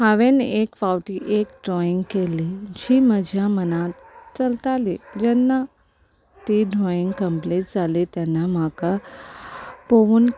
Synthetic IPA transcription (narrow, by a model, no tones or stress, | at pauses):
haʋenekfawʈiːʔekɖɾɔjĩŋɡkelid͡ʑiːməd͡ʑʱjamənat̪t͡səlt̪aled͡ʑɛnːa | t̪iɖʱɾɔjĩŋɡkəmpleʈ̚d͡zʱalet̪janːam̤aka | poʋuːn